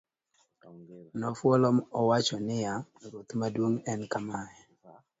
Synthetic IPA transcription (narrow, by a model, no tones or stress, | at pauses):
nɔfwɔlɔmɔwat͡ʃɔnɪjaɾot̪madwoŋɛnkamajɛ